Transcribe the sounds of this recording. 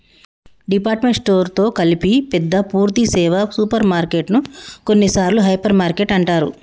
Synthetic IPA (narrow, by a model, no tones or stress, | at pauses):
ɖipaːɾʈme̞ɳʈsʈo̞ːɾt̪o̞ːkɐlipipɛd̪ːɐpuːɾt̪isɛːʋɐsuːpɐɾmaːɾkeʈnuko̞nːisaːɾluɦɐjpɐɾmaːɾkeʈɐɳʈaːɾṵ